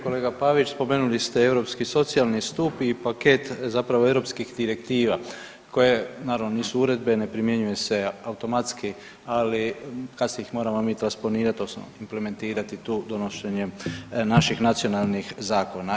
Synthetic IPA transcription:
ko̞le̞ːɡapaʋit͡ʃspo̞me̞nulist̪e̞e̞wɾo̞pskiso̞t̪sijalnist̪upipake̞t̪zapɾaʋoe̞ʋɾo̞pskixd̪iɾe̞kt̪iːʋa | kʰo̞je̞naːɾaʋnoniːsuuɾe̞d̪be̞nepɾimje̞ɲuje̞se̞aut̪o̞mat̪ski | alikasiixmo̞ːɾamomiːt̪ɾanspo̞niːɾat̪o̞smo̰imple̞me̞nt̪iːɾat̪it̪uːd̪o̞noʃeɲenaʃixnat̪sio̞nalˠnixzaːko̞na

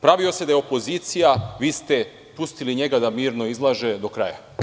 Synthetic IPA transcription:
pɾaʋio̞se̞d̪ajeo̞po̞ziːt̪sijaʋiːst̪e̞ | pust̪iliɲe̞ɡad̪amiːɾno̞izlˠaʒe̞d̪o̞kɾa̰ːja̰

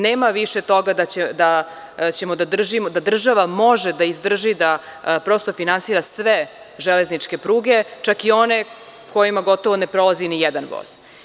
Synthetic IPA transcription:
neːmaʋiʃet̪o̞ɡad̪aed̪a | t͡ɕe̞mod̪ad̪r̩ʒimod̪ad̪r̩ʒaʋamo̞ʒed̪aizd̪r̩ʒid̪apɾo̞st̪ofinansiːɾasʋe | ʒɛle̞znit͡ʂke̞pɾuːɡe̞t͡ʃakio̞ne̞ | ko̞jimaɡo̞t̪oʋo̞nepɾolˠazinijɛd̪anʋo̰z̥

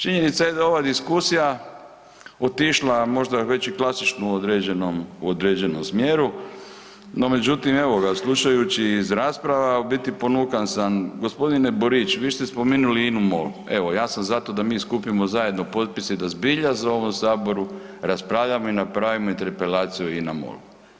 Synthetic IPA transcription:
t͡ʃiɲe̞nit̪sajed̪ao̞ʋad̪iskusija | o̞t̪iʃlˠamo̞ʒd̪aʋe̞t͡ɕiklasit͡ʃnuod̪ɾed͡ʑenomuod̪ɾed͡ʑe̞nomsmjeːɾu | no̞me̞d͡ʑut̪imeʋoɡaslˠuʃajut͡ɕiːzɾaːspɾaʋabit̪ipo̞nukansanɡo̞spo̞d̪ineboɾit͡ʃʋiːst̪espo̞menuliinumo̰lue̞ʋo̞jaːsamzat̪o̞d̪amiːskupimozaje̞d̪no̞po̞t̪̚pisid̪azbiʎazao̞ʋo̞msaːbo̞ɾu | ɾaspɾaːʋʎamoinapɾaːʋimo̞int̪eɾpelaːt̪sijuinamo̰lu

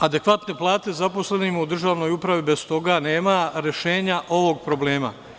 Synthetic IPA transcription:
ad̪e̞kʋat̪ne̞plˠaːt̪e̞zapo̞sle̞nimaud̪r̩ʒaːʋno̞jupɾaʋibest̪o̞ɡaneːmaɾe̞ʃe̞ːɲaʔo̞ʋo̞ɡ̚pɾo̞ble̞ːma̰

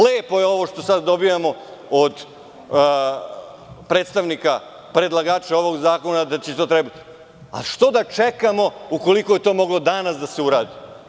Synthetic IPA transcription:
leːpo̞jeo̞ʋo̞ʃt̪o̞sad̪ːo̞bijamo̞od̪ | pɾe̞ːt̪st̪aʋnika | pɾe̞d̪lˠaɡaːt͡ʃao̞ʋo̞ɡzaːko̞nad̪at͡ɕet̪ot̪ɾebit̪i̥ | a̰lʃt̪o̞d̪at͡ʃe̞kamo̞uko̞likojet̪o̞ːmo̞ɡlˠo̞d̪anasd̪aseuɾaːd̪i

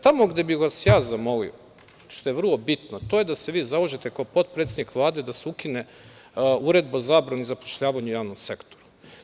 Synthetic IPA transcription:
t̪amo̞ɡd̪e̞bixʋasjaːzamo̞lḭo̰ | ʃt̪ojeʋr̩lˠo̞bit̪not̪ojed̪ase̞ʋiːzaoʒet̪e̞kaopo̞t̪̚pɾet̪sed̪nikʋlˠaːd̪e̞d̪aseukine | uɾed̪̚bazaːbɾanuizapo̥ʃʎaːʋaɲujaːʋnomse̞kt̪oɾu̥

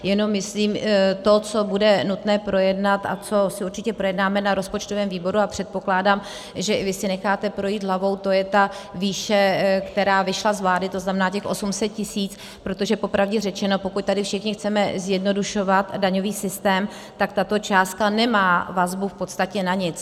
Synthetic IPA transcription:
jɛno̞mːɪsliːmt̪o̞t͡sobudɛnut̪nɛːpɾo̞jɛdnat̪a̰t͡so̞sɪuɾt͡ʃɪcɛpɾo̞jɛdnaːmɛnaɾo̞spo̞t͡ʃt̪ovɛːmviːbo̞ɾuapr̝̥ɛt̪̚po̞klaːdaːm | ʒɛɪvɪsɪnɛxaːt̪ɛpɾo̞jiːd̪ɦlavo̞wt̪o̞jɛt̪aviːʃɛkt̪ɛɾaːvɪʃlazvlaːdɪt̪o̞znamɛnaːcɛxʔo̞sumsɛt̪̚cɪsiːt͡s | pɾot̪o̞ʒɛpo̞pɾavɟɛrɛt͡ʃɛno̞po̞kuc̚t̪adɪfʃɪxɲɪxt͡sɛmɛzjɛdno̞duʃo̞vat̪daɲo̞viːsɪst̪ɛːm | t̪ak̚t̪at̪o̞t͡ʃaːst̪̚kanɛmaːvazbufpo̞t̪st̪acɛnaɲɪt͡s

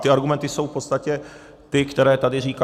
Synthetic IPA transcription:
t̪ɪaɾɡumɛnt̪ɪso̞wfpo̞t̪st̪acɛ | t̪ɪkt̪ɛɾɛːt̪adɪriːka

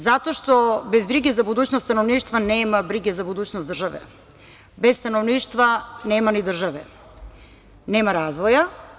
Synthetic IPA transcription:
zat̪oʃt̪obezbɾiɡezabud̪uːt͡ɕnosanovniːʃt̪vaneːmabɾiɡezabud̪uːt͡ɕnosd̪r̩ʒaʋɛ̰ | best̪anovniːʃt̪vaneːmanid̪r̩ʒaʋɛ̰ | neːmaɾazʋoja

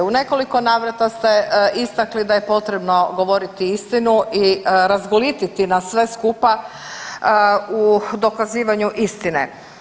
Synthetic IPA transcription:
une̞ko̞liko̞naːʋɾat̪ast̪e̞ʔist̪aklid̪aje̞po̞t̪ɾe̞bno̞ɡo̞ʋo̞ɾit̪iist̪inuʔiɾazɡolit̪it̪inasʋe̞skupa | ud̪o̞kaziːʋaɲuʔist̪inḛ

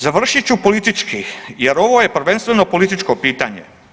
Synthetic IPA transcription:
zaʋr̩ʃit͡ɕupolit̪it͡ʃkijeɾo̞ʋoje̞pr̩ʋe̞nst̪ʋeno̞po̞lit̪it͡ʃko̞piːt̪aɲḛ

